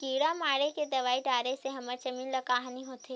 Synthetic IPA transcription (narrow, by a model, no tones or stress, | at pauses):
kiːɽamaːɽeked̪ɐʋaːiʈaːɾeseɦɐməɾt͡ʃɐmiːnlɐkaːɦniɦoːt̪e